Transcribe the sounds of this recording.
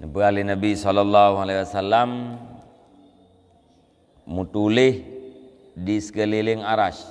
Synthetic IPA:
nəbəalinabisɔlalːaɦualawasalam | mut̪ulɪh | disə̥kəlilɪŋaɾaʃ

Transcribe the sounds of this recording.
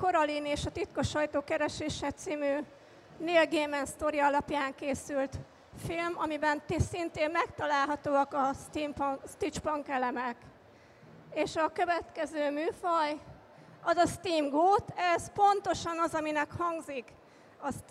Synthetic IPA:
ko̞ɾɒlineːʃɒt̪it̪ko̞ʃɒjt̪oːkɛɾɛʃeːʃɛt̪siːmyː | neːlɡeːmɛnst̪o̞ɾiɒlɒpjaːŋkeːsylt̪ | filmɒmibɛnt̪esint̪eːmmɛkt̪ɒlaːlɦɒt̪oːɒkɒst̪impst̪it͡ʃpɒŋkɛlɛmɛk | eːʃɒkøvɛt̪kɛzøːmyːfɒj | ɒzɒst̪iːmɡoːt̪ɛzpo̞nt̪o̞ʃɒnɒzɒminɛkhɒŋɡzik | ɒs

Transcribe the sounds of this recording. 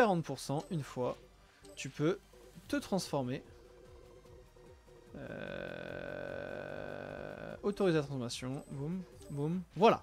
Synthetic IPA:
kaʁɑ̃t̪puʁsɑ̃ʔynfwa | t̪ypø | t̪ət̪χɑ̃sfɔʁme | ø̰ | ot̪oʁizelat̪χɑ̃fɔmasjɔ̃bumbumvwala̰

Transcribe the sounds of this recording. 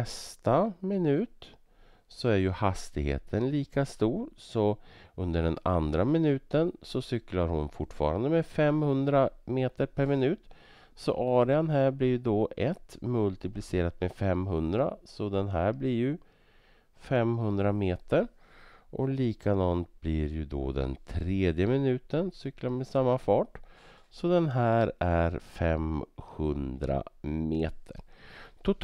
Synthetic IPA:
ɛst̪amɪnʉ̟ːt̪ | sɔæɾjɵhast̪ɪɡhḛːt̪ʰənliːkast̪uːɾsɔɵnd̪əɖɛna̰nd̪ɾamɪnʉ̟ːt̪ənsɔsʏklaɾhʊnfʊʈːfɑ̰ːɾa̰nd̪əmɛfɛmhɵnd̪ɾameːt̪əɾpʰæɾmɪnʉ̟ːt̪ | sɔ̰ʔɑːɾɪanɦæːɾblɪjd̪ɔʔɛt̪mɵlt̪ɪplɪseːɾat̪mɛfɛmɦɵnd̪ɾa̰sɔd̪ɛnɦæːɾblɪɾjɵ | fɛmɦɵnd̪ɾameːt̪ʰəɾʔɔ̰liːkʰad̪ɑːnt̪̚blɪɾjɵd̪ɔ̰d̪ɛ̰nt̪ʰɾeːd̪jəmɪnʉ̟ːt̪ənsʏkːlamɛsamːafɑːʈ | sɔd̪ɛnɦæːɾæɾfɛmhɵnd̪ɾa̰meːt̪ʰə̰ɾt̪ʰʊt̪

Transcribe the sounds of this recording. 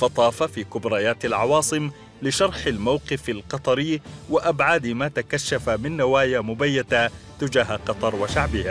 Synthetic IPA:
fɑt̪ˤɑːfafiːkʊbɾaːjaːt̪alʕɑwɑːsˤɨm | lɪʃɑɾˤħalmawqɨfalqɑt̪ˤɑɾɪwɪʔabʕaːd̪maːt̪akaʃːafamɪnːawaːjamʊbajːat̪at̪ɪd͡ʒaːɦaqɑt̪ˤɑɾˤwɪʃaʕbɪha

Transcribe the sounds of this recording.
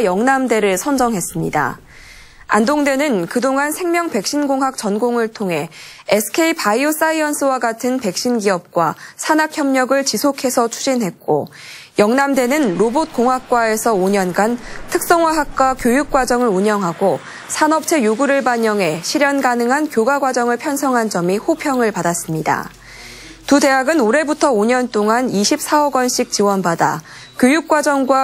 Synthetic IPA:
jʌŋnamde̞ɾɯɭsʰʌnd͡ʑʌŋɦe̞s͈ɯmɲḭda̰ | a̰ndoŋde̞nɯnkɯdoŋansʰe̞ŋmjʌŋpe̞k̚ɕ͈inɡoŋɦak̚t͡ɕʌnɡoŋɯɭtʰoŋɦe̞esʰɯ̥kʰe̞ipaios͈aiʌnsʰɯwaɡatʰɯnpe̞k̚ɕ͈inɡiʌp̚k͈wasʰanakçjʌmɲʌɡɯɭt͡ɕisʰokʰe̞sʰʌt͡ɕʰu̥d͡ʑinɦe̞t̚k͈o̰jʌŋnamde̞nɯnɾobot̚k͈oŋɦak̚k͈wae̞sʰʌoɲʌnɡantʰɯk̚s͈ʌŋwaɦak̚k͈wakjojuk̚k͈wad͡ʑʌŋɯɾuɲʌŋɦaɡo | sʰanʌp̚t͡ɕʰe̞juɡuɾɯɭbaɲʌŋɦe̞ɕʰiɾjʌnɡanɯŋɦankjoɡaɡwad͡ʑʌŋɯɭpʰjʌnsʰʌŋɦand͡ʑʌmihopʰjʌŋɯɭpadas͈ɯmɲida̰ | tude̞ɦaɡɯnoɾe̞butʰʌoɲʌnt͈oŋaniɕʰip̚s͈aʌɡwʌnɕʰik̚t͡ɕiwʌnbada̰ | kʲjojuk̚k͈wad͡ʑʌŋɡwa

